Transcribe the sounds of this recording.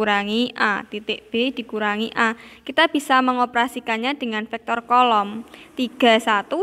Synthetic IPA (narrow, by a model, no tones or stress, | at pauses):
uɾaŋiʔa̰t̪it̪ɪʔb̥ed̪̥i̤kuɾaŋiʔakit̪ab̥i̤saməŋopəɾasikanɲad̪̥ə̤ŋanfɛk̚t̪ɔrkɔlɔmt̪iɡ̥a̤sat̪u